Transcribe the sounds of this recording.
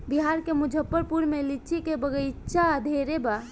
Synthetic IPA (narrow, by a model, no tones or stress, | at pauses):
biɦaɾkemud͡ʒʱəpːəɾpuɾmelit͡ʃikebəɡət͡ʃad̪ʱeɾeba